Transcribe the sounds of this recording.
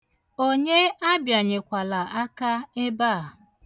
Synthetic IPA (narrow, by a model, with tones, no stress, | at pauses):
o˦ɲe˦a˦bja˨ɲe˨kʷa˨la˨a˦ka˦ɪ˦ba˦˨